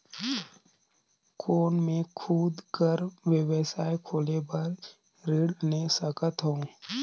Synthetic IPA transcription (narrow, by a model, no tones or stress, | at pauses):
kʰoːnmẽkʰuːd̪kəɾʋjəwəsaːjkʰoːlebəɾ | ɾeɽnesəkət̪ɦõː